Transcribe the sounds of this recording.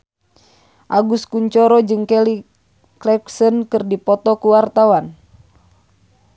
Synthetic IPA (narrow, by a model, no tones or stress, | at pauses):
ʔaɡuskuɲt͡ʃɔɾɔd͡ʒɨŋkɛli | klɛksənkɨrdipɔt̪ɔkuwart̪awan